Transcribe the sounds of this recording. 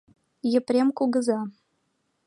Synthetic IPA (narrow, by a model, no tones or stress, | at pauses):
jə̆pɾʲemkuɣə̆zɑ